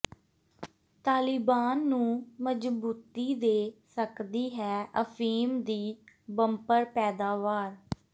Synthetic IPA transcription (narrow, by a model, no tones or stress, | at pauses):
t̪aːlɪbaːnːũːməd͡ʒbuːt̪iːd̪eːsəkd̪iːɦɛːəpʰiːmd̪iːbəmpəɾpɛːd̪aːʋaːɾ